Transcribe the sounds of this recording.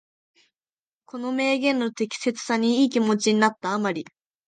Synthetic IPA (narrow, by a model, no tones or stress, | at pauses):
ko̞no̞me̞ːɡẽ̞nːo̞t̪e̞kʲi̥se̞t͡sɨ̥saɲ̟iiːkʲimo̞t͡ɕiɲ̟inat̪ːaːmaɾʲi